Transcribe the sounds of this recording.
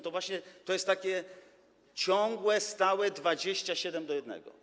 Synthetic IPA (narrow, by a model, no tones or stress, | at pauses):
t̪ɔvwaɕɲɛt̪ɔjɛst̪ːakʲɛ | t͡ɕɔŋɡwɛst̪awɛd̪vad͡ʑeɕt͡ɕaɕɛd̪ɛmd̪ɔjɛd̪nɛ̰ɡɔ̰